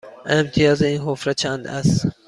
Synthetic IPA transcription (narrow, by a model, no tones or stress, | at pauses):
emt̪ʰijɑːzinɦofɾat͡ʃʰand̪æ̰s